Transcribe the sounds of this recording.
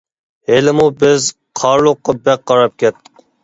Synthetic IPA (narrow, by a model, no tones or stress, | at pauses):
elɪmubɪz | qʰɑɾlˠʊqːɑbɛk̚qɑɾɑp̚kʲɛt̪ʰːɨ̥q